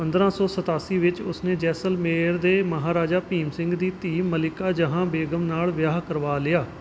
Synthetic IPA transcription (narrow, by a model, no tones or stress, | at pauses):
pə̃nd̪ɾãːsɔːsət̪aːsiːʋɪt͡ʃʊsneːd͡ʒɛːsəlmeːɾd̪eːməɦaːɾaːd͡ʒaːpiːmsɪ̃ŋɡd̪iːt̪iːmːəlɪkaːd͡ʒəɦãːbeːɡəmnaːlʋjaːɦkəɾʋaːlɪjaː